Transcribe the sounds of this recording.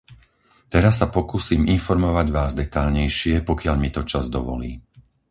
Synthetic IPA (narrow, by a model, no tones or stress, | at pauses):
t̪ɛɾasːapɔkusiːminfɔɾmɔʋaɟʋaːzd̪ɛt̪aʎɲɛjʃɪɛpɔkɪaʎmit̪ɔt͡ʃazd̪ɔ̰ʋɔ̰lḭː